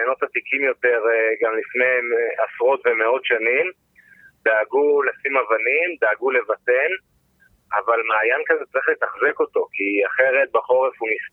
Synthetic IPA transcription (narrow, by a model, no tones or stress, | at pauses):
enotat̪ikimjo̞te̞ʁɡamlifnejmasʁo̞tve̞me̞o̞tʃanim | d̥̪aːɡulasimavanimd̪aːɡule̞vate̞n | avalmaːjankazet͡saʁiχlet̪aχzeko̞to̞kiaχe̞ʁe̞t̪̚baχo̞ʁefumis